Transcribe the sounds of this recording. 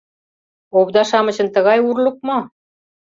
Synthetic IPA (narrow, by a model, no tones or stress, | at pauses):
oβd̪ɑʃɑmɤ̆t͡ɕə̆nt̪ə̆ɣɑjurluk̚mo